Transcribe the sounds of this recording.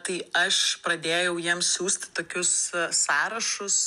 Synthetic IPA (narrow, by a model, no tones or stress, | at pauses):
t̪ɐɪɐʃpɾɐd̪ʲeːjɛʊjiɛmssʲuːsʲt̪ʲɪ̥t̪oːkʲʊssɑːɾɐʃʊs